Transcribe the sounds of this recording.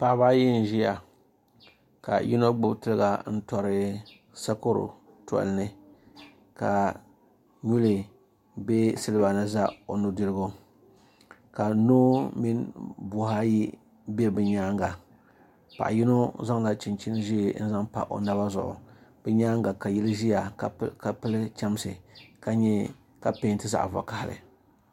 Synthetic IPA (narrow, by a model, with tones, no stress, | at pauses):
pa˨ʔba˦ji˦n̩˨ʒi˦ja˨ | ka̰˨ji˦no˦ɡ͡bʊ˦btɨ˦lɡa˦n̩˦tɔ˨ɾɨ˦ | sa˦ko˦ɾʊ̰˨ | tɔ̰˨lnɨ˦ | ka̰˨ | ɲu˦li˨ | be˦sɨ˦lɨ˦ba˨nɨ˦za˦o˨nu˦dɨ˦lɨ˦ɡo˦ | ka˨nuː˦mi˦nbʊ˨ɦa˦ji˦ | bɛ˦bɨ˨ɲaː˦ŋɡa˨ | pa̰˨ʔji˦no˦za˦ŋla˦t͡ʃi˨nt͡ʃi˦n˦ʒi˦˨˦n̩˦za˦ŋpa̰˨ʔo̰˨na˦ba˦zʊ̰˨ʔʊ̰˨b̥ɨ˦ɲaː˦ŋɡa˨ka˨jɛ˦lɨ˦ʒi˦ja˨ka˨pɨ˦lɨ˦t͡ʃa˦m˦sɨ˨ka˨ɲɛ˦ | ka˨pe˦ntɨ˦za̰˨ʔva̰˨ka˨hlɨ̰˨